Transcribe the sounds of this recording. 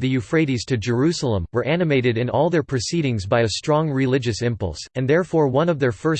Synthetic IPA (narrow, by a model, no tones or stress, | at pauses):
ðɨjʉfɹeɪɾiz̥tʰɨd͡ʒə˞ʉsl̩ˠə̃mwə˞ʔænɨmeɪɾɨɾɨ̃nɔlˠðə˞pʰɹ̥ɨsiɾɪ̃ŋzbaɪɨstɹ̥ɔ̃ŋɹɪlɪd͡ʒɨsɪ̃mpʌ̰lˠsɨ̃nðɛɹfɔɹwʌ̃nʌvðə˞fɜ˞